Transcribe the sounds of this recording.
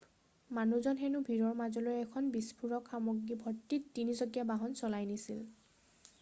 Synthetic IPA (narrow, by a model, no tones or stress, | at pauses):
manuzɔnxɛnubʱiɹɔɹmazɔlojɛkʰɔnbispʰuɹɔkxamoɡːibʱɔtːitːinizɔɡijabaɦɔnsɔlajnisil